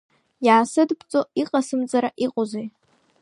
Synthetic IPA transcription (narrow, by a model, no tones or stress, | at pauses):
jaːsɨdpʰt͡sʼo̞iqʼasɨmt͡sʼaɾaʔiqʼozej